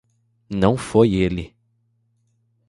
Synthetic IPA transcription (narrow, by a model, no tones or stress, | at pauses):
nɐ̃w̃fojelɪ